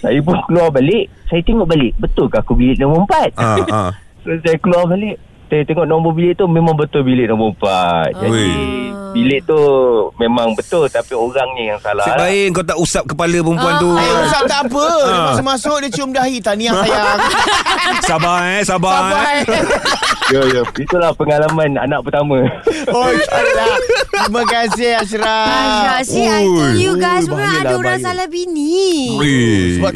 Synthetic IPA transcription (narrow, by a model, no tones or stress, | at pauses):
sajap̬ʊnkəluarbalɪʔsajat̪eŋɔʔbalɪʔ̚bət̪ʊlkaakubilɪʔnɔməəmpat̪̚ | sosajakəluarbalɪʔ | sajat̪eŋɔʔnɔŋbobilɪʔt̪umẽmãŋbət̪ʊlbilɪʔnɔməəmpa̰t̪̚d͡ʒadibilɪʔt̪umẽmaŋbət̪ʊlt̪apioɾaŋɲijaŋsala̰hbaeəŋkawt̪aʔusap̚kəpaləp̬əəmpuant̪uaausap̚t̪aʔːpədmasmãsʊk̚dit͡ʃumdaɦit̪aniajjak | sabasaba | jəjəit̪ulahpəŋalamãna̰nak̚pərt̪amə̃oaɾatɾimãkasɪhas̬ɾa | uubajilaasalabini | səba